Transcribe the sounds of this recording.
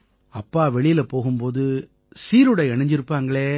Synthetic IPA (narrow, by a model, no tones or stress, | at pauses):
ɐpːaːʋɛɭɪjɪlɐpoːɣɯmpoːðɯ | siːɾɯɽɐɛɳɐɲd͡ʒɪɾɯpːaːŋɡɐɭeː